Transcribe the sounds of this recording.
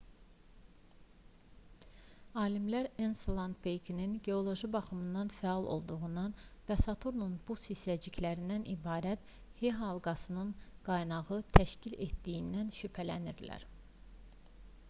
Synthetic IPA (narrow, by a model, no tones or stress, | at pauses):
ɑːlimlæɾensolˠɑnd̪bejkʰininɟe̞o̞lˠo̞ʒibɑχɯmɯnd̪ɑnfæɑlˠʔo̞̰lˠd̪uʁund̪ɑnvæsɑt̪ʰuɾnunb̥usisæd͡ʒicʰlæɾind̪ænʔibɑːɾæt̪ | heɦɑlˠɡɑsɯnɯnɡ̥ɑjnɑʁɯt̪ʰæʃcilḛt̪d̪ijind̪ænʃypʰælæniɾlæ̰ɾ